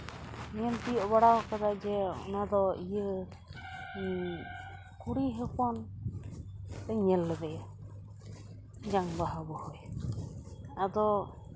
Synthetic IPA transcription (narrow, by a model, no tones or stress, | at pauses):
ɲɛnt̪iɔʔbaɽawkad̪ad͡ʒɛɔ̰nad̪ɔijə | kuɽiɦɛkɔn | t̪ɛɲɛlːɛbɛ | d͡ʒaŋbaɦabɔhɔj | ad̪ɔ